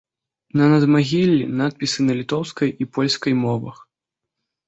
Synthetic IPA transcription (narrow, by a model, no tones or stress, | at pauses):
nɐnɐd̪maɣʲilʲːḭnat̪̚pʲisɨnɐlʲit̪ɔwskɐjʔipɔlʲskɐjmɔvɐ̰x